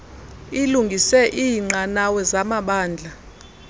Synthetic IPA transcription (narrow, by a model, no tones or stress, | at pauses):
iluŋɡʱisɛʔiːŋ͡ǀanawɛzamaɓaːnd͡ɮʱa